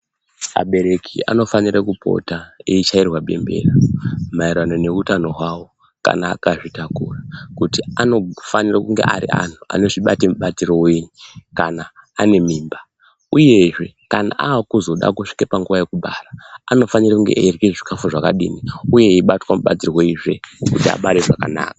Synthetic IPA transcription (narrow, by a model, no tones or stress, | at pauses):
a̰ɓe̞ɾe̞kʰḭa̰no̞faniɾakupʰo̞̰taeit͡ʃairwaɓe̞̰mbe̞̰ramaiɾano̞ne̞utano̞ɦwawo̞ | ka̰na̰ːkaʐitakurakutiano̞fanirakuŋɡe̞̰ʔa̰ɾḭʔa̰n̤ua̰no̞ʐiɓatemuɓatiɾo̞weɲikanaːne̞miːmba | uje̞ʐe̞kana̰ʔaːkuzo̞ɗa̰kuʂi̥kepaŋɡuʋaje̞kuɓaraano̞fanirakuŋɡe̞̰ʔerɣeʐikʰafuʐakaɗiːniuje̞iɓatwamuɓa̰t͡sirwoiʐe̞kutia̰ɓaɾeʐaka̰na̰ːkḁ